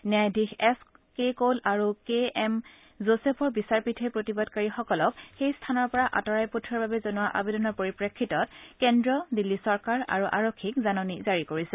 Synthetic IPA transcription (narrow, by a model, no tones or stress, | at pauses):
njajdʱixɛskekolaɹukeɛm | zosepʰɔɹbisaɹpitʰɛpɹotibɔdkaɹixɔkɔlɔkxejstʰanɔɹpɔɹaʔa̰tɔɹajputʰɹɔɹbabɛzɔnuwaʔa̰bedɔnɔɹpoɹipɹekʰːitɔt̚kɛndɹɔdilːisɔɹkaɹa̰ɹuʔa̰ɹokʰːikzanɔnizaɹikoɹisɛ